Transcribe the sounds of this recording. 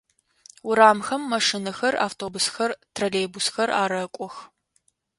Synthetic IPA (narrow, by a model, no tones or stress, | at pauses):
wʊɾaːmxɐmːɐʂinɐxɐra̰ːftʰoːbʊsxɐrtʰrɐleːbusxɐra̰ːɾɐkʷʼɔx